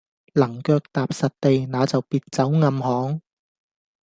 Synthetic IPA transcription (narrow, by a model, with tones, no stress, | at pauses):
lɐ˨˩ŋkœː˧k̚t̪aː˨p̚sɐ˨t̚t̪e˨jnaː˨˧t͡sɐ˨wpiː˧t̚t͡sɐ˨˥wŋɐ˧mhɔː˨˥ŋ